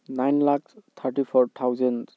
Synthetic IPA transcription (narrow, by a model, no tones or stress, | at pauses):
najnlakst̪ʰaɹʈipʰɔɹt̪ʰawzɛn